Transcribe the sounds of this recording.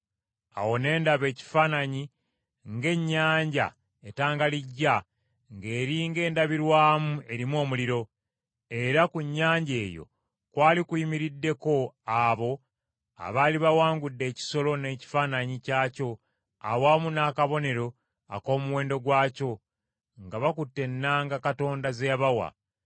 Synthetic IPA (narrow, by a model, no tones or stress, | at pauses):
a̰wo̞ne̞ːndaβe̞ːci̥faːnaɲi | ŋɡe̞ɲːaːɲɟa̰ | etaːŋɡaliɟːa | ŋɡe̞ːɾiːŋɡe̞ːndaβiɾwaːmuʔe̞ɾimwo̞ːmuliɾo̞ | e̞ɾakuɲːaːɲɟe̞ːjo̞̰ | kwaːlikuimiɾidːe̞ko̞aβo̞ | a̰βaːliβawaːŋɡudːe̞ːci̥so̞lo̞ne̞ːci̥faːnaɲicaːco̞ | a̰waːmunaːkaβo̞ne̞ɾo̞ | a̰ko̞ːmuwe̞ːndo̞ɡwaːco̞ | ŋɡaβakutːe̞nːaːŋɡakato̞ːndazejaβawa̰